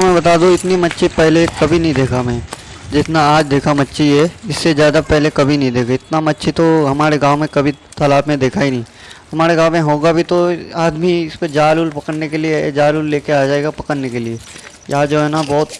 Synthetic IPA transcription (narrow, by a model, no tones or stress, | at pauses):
mɛ̃ːbɐt̪aːd̪ũɪt̪nimɐtːʃʰipɛɦlekɐbʱinɐɦĩd̪eːkʰamɛ̃ː | d͡ʒɪt̪naaːd͡ʒd̪eːkʰamɐtːʃʰiɦɛɪsːezjaːd̪apɛɦlekɐbʱinɐɦĩd̪eːkaɪt̪namɐtːʃʰit̪oɦɐmaːɾeɡãːʋmẽkɐbʱit̪ɐlaːbmẽd̪eːkʰaːinɐɦĩ | hɐmaːɾeɡaːmẽɦoːɡabʱit̪oaːd̪miɪsped͡ʒaːluːlpɐkəɽnekelied͡ʒaːluːlːeːkeaːd͡ʒaːeːɡapɐkəɽnekelie | jɐɦad͡ʒoːɦɛːnabɔːt̪